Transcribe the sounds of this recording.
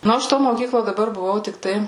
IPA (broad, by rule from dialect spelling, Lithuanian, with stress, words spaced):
ˈnʊ ɐʃ toː moːˈkʲiːklˠoː dɐˈbɐr bʊˈʋɐʊ tʲɪkˈtɐɪ